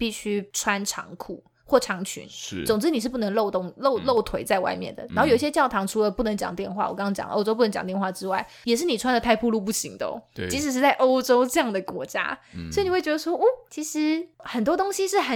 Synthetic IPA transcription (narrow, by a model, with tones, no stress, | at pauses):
pi˥˩ɕy˥ʈ͡ʂʰwa˦˥nʈ͡ʂʰɑ̰˧˥ŋkʰṵ˥˩ | xwɔ˥˩ʈ͡ʂʰɑ˧˥ŋt͡ɕʰy̰˧˥n̩˩t͡so˨˩ŋʈ͡ʂɻ̩˥ni˨˩ʂɻ̩˥˩p̬u˥˩nə˧˥ŋlo˥˧ʊt̪ʊ˥˧˩ŋlo˥˧ʊlo˥˩ʊt̪ʰwe˧˥ɪt͡sa˥˧ɪwa̰˥˧ɪmjɛ̰˥˩nd̪ə̰˩na˥˨˧o˥˩jo˨˩i˥˩ɕjɛ˥t͡ɕjɑ˥˩ʊt̪ʰɑ˧˥ŋʈ͡ʂʰu˧˥lə˨˧pu˥˩nə˧˥ŋt͡ɕjɑ̰˨˩ŋt̪jɛ˥˧nxwa̰˥˩wɔ˨˩kɑ˥ŋɑ˥t͡ɕjɑ̰˨˩ŋʔo̰˥ʊʈ͡ʂo˥pu˥˩nə˧˥t͡ɕɑ̰˨˩ŋt̪jɛ˥˧nxwa˥˩ʈ͡ʂɻ̩˥wa̰˥˩ɪ | jɛ˨˩ʂ̬ɻ̩˥˩ni˨˩ʈ͡ʂʰwa˥nd̪ə˨p̪ʰa˥˧ɪpʰu˥˧lu˥˧p̬u˥˩ɕi˧˥ŋd̪ə̰˧t͡ɕi˧˥ʂ̬ɻ̩˧˥ʂ̬̩˥˧t͡sa˥˩ɪʔo˥ʊʈ͡ʂo˥ʊʈ͡ʂɤ˥˧jɑ˥˩ŋd̪ə˩kwɔ̰˧˥t͡ɕja̰˥ssɔ˥˧˥n˨˩wt͡ɕɛ˧˥ə˧swɔ˥ʔɔ˥˩t͡ɕʰi˧˥ʂɻ̩˧˥xə˨˩nt̪wɔ˥t̪o˥ŋɕi˧ʂɻ̩˥˩xə˨˩